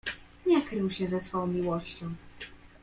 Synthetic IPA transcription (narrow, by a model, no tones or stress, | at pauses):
ɲɛkɾɘwɕɛzɛsfɔɔ̃w̃mʲiwɔɕt͡ɕɔ̃w̃